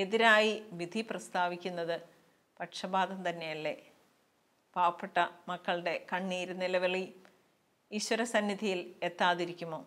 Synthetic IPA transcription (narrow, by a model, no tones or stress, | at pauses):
e̞ðiɾaːjiʋid̪ʱiprɐst̪aːʋikʲːunːɐðɨ | pɐʈʂɐbaːðɐmt̪ɐnːe̞jɐlːe̞ | paːʋɐpːeʈːɐmɐkːɐɭɖe̞kɐɳːiːɾunilɐʋiɭi | iɕwɐɾɐsɐnːid̪ʱijile̞t̪ːaːðiɾikʲːumo̞ː